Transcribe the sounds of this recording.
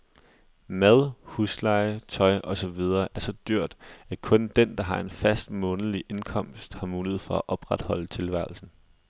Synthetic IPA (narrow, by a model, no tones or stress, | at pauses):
mæð̞ˠhuslɑ̈ɪət͡sʰɒ̽ɪʔɒ̽sɒ̽ʋið̞ˠɐːʔæɐsɒ̽d̥yɐ̰d̥ækʰɔ̽nd̥end̥ɑ̈ɦɑ̈e̝nfæsd̥mɔ̽ːn̩əliʔe̝nkʰɒ̽m̰sd̥hɑ̈muːlið̞̩ˠfɒ̽æʔɒ̽b̥ʁad̥hɒ̽l̰ət͡sʰe̝lʋæɐl̩sn̩